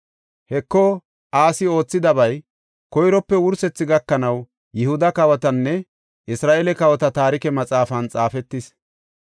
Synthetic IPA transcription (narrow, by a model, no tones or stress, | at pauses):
hɛkːɔ | aːsɪo̞ːt͡sːɪd̪ɐbɐj | kɔjɾɔpːɛwʊɾsɛt͡sːɪɡɐkːɐnɐw | jɪhʊd̪ɐkɐwɐt̪ɐnːɛ | ʔɪsɾaːʔelɛkɐwɐt̪ɐt̪aːɾɪkɛmɐt͡sʼaːfɐnt͡sʼaːfɛt̪ːɪs